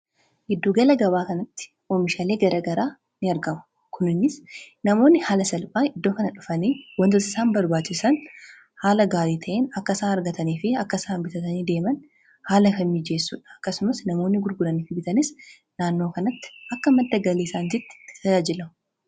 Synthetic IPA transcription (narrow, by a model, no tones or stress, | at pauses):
ʔɪd̪ːuːɡɐlɐɡɐbaːkɐnɐt̪ːɪ̥ | ʔoːmɪʃaːle̞ːɡɐɾʔɐɡɐɾaː | nɪɐɾɡɐmʊ̥ | kʊnɪnːɪsnɐmo̞ːnːɪhaːlɐsɐlbaːnɪd̪ːo̞ːkɐnɐᶑʊfɐniːwɐnt̪ʊsɪ̥saːmbɐɾbaːt͡ʃːɪsɐn | haːlɐɡaːɾiːt̪ʰɐʔeːnɐkːɐsaːnɐɾɡɐt̪ɐniːfɪɐkːɐsaːnbɪt̪ɐt̪ɐniːd̪e̞ːmɐn | haːlɐfɐmːid͡ʒe̞ːsːʊ̰ᶑɐ̥ɐkːɐsʊmɐsnɐmo̞ːnːɪɡʊɾɡʊɾɐniːfɪbɪt̪ɐnɪs | naːnːo̞ːkɐnɐt̪ːɪ̥ʔɐkːɐmɐd̪ːɐɡɐleːsaːnd͡ʒɪt̪ːɪ̥ɪ̥t̪ɐd͡ʒaːd͡ʒɪlɐm